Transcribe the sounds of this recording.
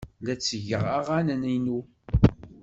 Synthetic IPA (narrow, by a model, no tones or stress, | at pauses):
læt͡sːəʝə̰ʁaʁanəninu